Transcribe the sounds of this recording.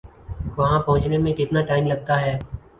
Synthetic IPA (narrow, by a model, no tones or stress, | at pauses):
ʋɐɦãpɐɦʊ̃t͡ʃnemẽkɪt̪naʈaːɪmlɐɡ̚t̪aɦɛː